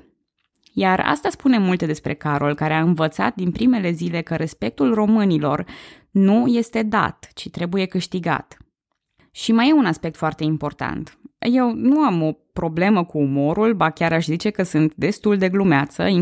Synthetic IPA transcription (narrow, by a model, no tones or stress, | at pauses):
jara̰st̪aspune̞mult̪e̞d̪e̞spɾe̞kaɾo̞lkaɾe̞aɨnvət̪sa̰t̪̚d̪inpɾime̞le̞zile̞kəɾʔe̞spe̞k̚t̪ulro̞mɨnilo̞r | nuje̞st̪e̞d̪a̰t̪t͡ʃit̪ɾe̞buje̞kɨʃt̪iɡa̰t̪ | ʃiməjeunaspe̞k̚t̪foart̪e̞impo̞rt̪a̰nt̪je̞wnuamo̞pɾo̞ble̞məkuːmo̞ɾulbakʲaɾaʃzit͡ʃe̞kəsɨnt̪d̪e̞st̪uld̪e̞ɡlumeat̪sə̰i